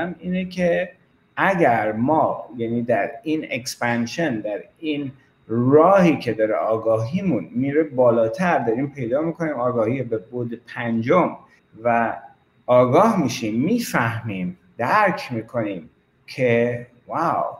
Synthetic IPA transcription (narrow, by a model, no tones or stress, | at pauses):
miːnecʰe | ʔæɟæɾmɒːjæniːd̪æɾiːnḛkspænʃend̪æɾiːn | ɾɒːhiːcʰe̞d̪ɒɾḛʔɒːɡɒːɦiːmunmiːɾebɒːlɒːt̪ʰæɾd̪ɒɾiːmpʰe̞jd̪ɒːmiːkʰo̞niːmɒːɡɒːhiːebebod̪epʰænd͡ʒom | væ | ɒːɡɒːhmiʃimːiːfæhmiːm | d̪̥æɾcʰmiːkʰo̞niːm | cʰe | vaw